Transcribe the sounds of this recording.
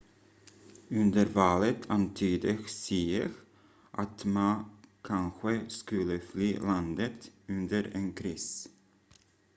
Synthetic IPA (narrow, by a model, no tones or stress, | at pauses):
ʉnd̪əɾvɑːlət̪ʰant̪ʰyːd̪ɪɡsiːəɾ | ʔat̪mankʰanɧəskɵlːəflyːland̪ət̪ɵnd̪əɾenkʰɾiːs